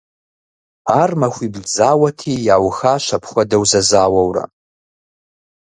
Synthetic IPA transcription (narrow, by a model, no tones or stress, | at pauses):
aːrmɐxʷibɮd͡zaːwɐtʰiːjaːwxaːʃʷɐpʰχʷɐdɐwzɐzaːwɐwrɐ̰